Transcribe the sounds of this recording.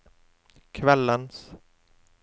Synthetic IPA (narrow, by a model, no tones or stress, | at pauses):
kʰvɛlːəns